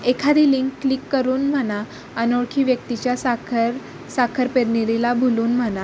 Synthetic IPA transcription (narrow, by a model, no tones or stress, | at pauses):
ekʰad̪iliŋkːlikːəɾuːnm̤əna | ənoɭkʰiːʋjək̚t̪it͡ɕjasaɾ | sakʰəɾpeɾniɾilabʱuluːnm̤əna